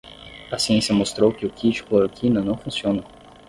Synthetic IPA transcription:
ɐsiẽsiɐmost̪ɾowkɪʊkʰit͡ʃi̥klɐɾokʰinɐnɐ̃w̃fũsiõnɐ

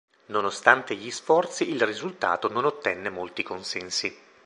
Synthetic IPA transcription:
nonost̪ant̪eʎisfɔrt̪siːlrizult̪a̰ːt̪ononot̪ːɛnːemolt̪ikonsɛnsi

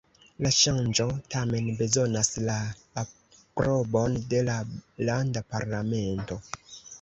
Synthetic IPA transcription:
laʃand͡ʒo̞tame̞nbe̞zo̞naslaː | pɾobo̞nde̞lalandapaɾlame̞nto̞

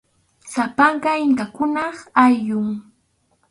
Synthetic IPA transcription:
sapɑɴɢɑɪŋkakʊnɑχajʎʊŋ

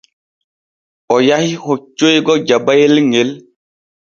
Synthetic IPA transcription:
ɔjahihot͡ʃːojɡɔd͡ʒabajelŋel

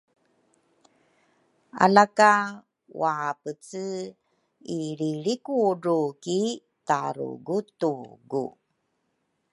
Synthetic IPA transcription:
a̰laka | wapət͡sɨ | iɾiɭikuɾuki | taɾṵɡutuɡṵ

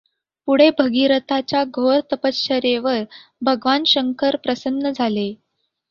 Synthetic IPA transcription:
puɽ̤ebʱəɡiɾət̪at͡ɕjaɡʱoɾt̪əpəɕəɾeʋəɾbʱəɡʋanɕəŋkʰəɾpɾəsənːəd͡zʱale

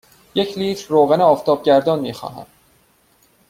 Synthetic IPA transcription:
jecʰliːt̪ʰɾːoːɣæneɒːft̪ʰɒːb̚ɟæɾd̪ɒːnmiːxɒ̰ːɦæ̰m

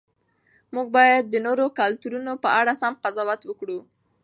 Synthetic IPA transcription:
muɡ̚bɑjad̪̚ːənoɾokalt̪uɾunopəʔaɽasamqazɑwat̪wəkɽu

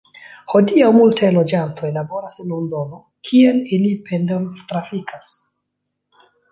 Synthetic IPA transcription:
ho̞diawmultʰajlo̞d͡ʒantʰo̞jlabo̞ɾasenundono̞ | kʰielilipendontɾafikʰas

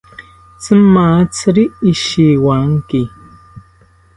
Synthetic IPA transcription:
t͡sɨmːat͡sɨɾiʔiʃiwaŋki

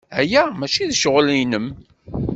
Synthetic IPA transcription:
æjæmæt͡ʃiðʃəʁlinəm

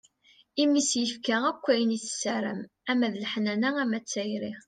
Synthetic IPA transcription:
imisjəfkæækʷːæjəniθə̥sːæɾə̰m | æmæðələħnænææmæt͡sːæjɾiʁ

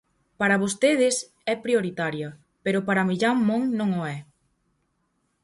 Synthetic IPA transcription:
paɾɐβ̞ost̪eð̞ɪs | ɛpɾjoɾit̪aɾjɐ | peɾopaɾɐmiʎamːõŋnõŋoɛ

